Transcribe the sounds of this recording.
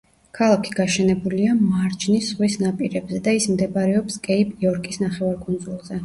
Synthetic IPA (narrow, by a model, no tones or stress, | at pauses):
kʰalˠakʰi̥ɡaʃɛnɛbuliamaɾd͡ʒnisʁwisnapʼiɾɛbzɛd̪aismd̪ɛbaɾɛɔpskʼɛipʼiɔɾkʼisnaχɛvaɾkʼund̪zulˠzɛ